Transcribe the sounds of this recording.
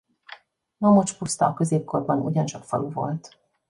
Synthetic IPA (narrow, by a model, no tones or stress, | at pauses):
nomo̞t͡ʃpust̪ɒːkøzeːp̚korbɒnuɟɒnt͡ʃɒkfɒ̰luvo̞̰lt̪